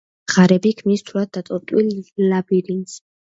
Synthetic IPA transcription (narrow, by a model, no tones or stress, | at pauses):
ʁaɾɛbikʰmnist̪ʰuɾad̪̚d̪at̪ʼɔɾt̪ʼwilːabiɾins